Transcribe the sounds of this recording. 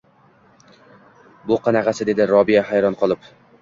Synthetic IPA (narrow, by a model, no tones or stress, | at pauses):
bʊqʰɑnaʁɑsɪd̪e̞d̪ɪɾɒbijahæjɾɒnqʰɒlˠɪp